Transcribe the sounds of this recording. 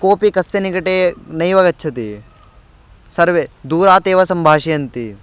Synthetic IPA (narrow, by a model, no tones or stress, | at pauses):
koːpikɐsːɐnikɐʈeːnɐjʋɐɡɐtːʃʰɐt̪i | sɐɾʋed̪uːɾaːt̪eːʋɐsɐmbʱaːʃijɐnt̪i